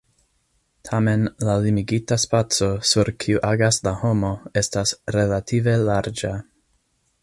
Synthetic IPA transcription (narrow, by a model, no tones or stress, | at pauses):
tʰame̞nlalimiɡitaspat͡so̞suɾkʰiuʔaɡaslaho̞mo̞e̞stasɾe̞latʰive̞laɾd͡ʒa